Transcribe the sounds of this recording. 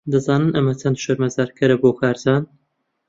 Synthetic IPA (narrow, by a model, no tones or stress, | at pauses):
d̪ɨzɑːnɨnʔɐmɐt͡sɐnʃoɾmɐzaːɾkʰɐɾɐboːkʰaːɾd̪aːn